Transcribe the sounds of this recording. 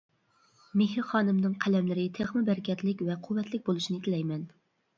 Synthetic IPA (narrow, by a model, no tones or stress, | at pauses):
meɦɾχɑːnɨmnɨŋqʰælɛmlɪɾɪt̪ʰeχmɨbæɾɪkʲʰɛt̪lɪkʲvɛqʰuwːɛt̪ʰlɪk̚ʲbolˠuʃinɪt̪ʰɪlɛjmɛn